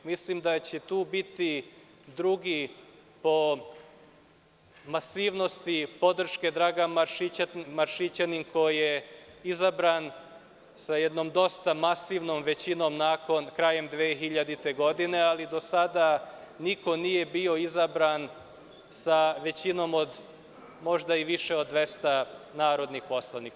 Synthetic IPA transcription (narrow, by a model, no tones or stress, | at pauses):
mislimd̪at͡ɕet̪uːbit̪i | d̪ɾuɡi | po̞ | masiːʋno̞st̪ipo̞d̪r̩ʃke̞d̪ɾaːɡamaʃimaɾʃit͡ɕaninko̞jijeizabɾaːn | sajɛd̪no̞md̪o̞st̪amasiːʋnomʋe̞t͡ɕino̞mnaːko̞nkɾaje̞md̪ʋeːxiʎad̪it̪eɡo̞d̪ine̞alid̪o̞sad̪a | niko̞nije̞bio̞izabɾaːn | saʋe̞t͡ɕino̞mo̞d̪ | mo̞ʒd̪aiʋiʃeod̪ʋe̞st̪anaːɾo̞d̪nixpo̞slˠanika